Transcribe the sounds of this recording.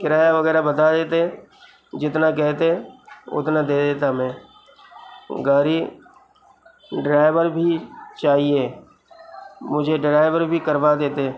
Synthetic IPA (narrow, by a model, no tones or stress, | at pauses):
kɪɾaːjaʋəɣɛːɾabət̪ad̪eːt̪eɦɛ̃ | d͡ʒɪt̪nak̬ɛɦt̪eɛ̃ʊ̰t̪nad̪eːd̪eːt̪amɛ̃ː | ɡaːɾi | ɖɾaːɪʋəɾbʱit͡ʃaːɦieː | mʊd͡ʒʱeɖɾaːɪʋəɾbʱikəɾʋad̪eːt̪e